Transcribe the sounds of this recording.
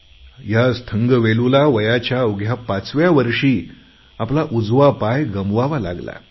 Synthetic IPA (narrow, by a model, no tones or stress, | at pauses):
jast̪ʰəŋɡəʋelulaʋəjat͡ɕjauɡʱjapat͡sʋjaʋəɾʂiː | aplaʔud͡zʋapajɡəmʋaʋala̰ɡla̰